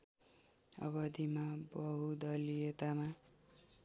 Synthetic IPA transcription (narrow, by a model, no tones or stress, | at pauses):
ʌ̰βʌd̪ʱimabʌɦud̪ʌlijet̪ama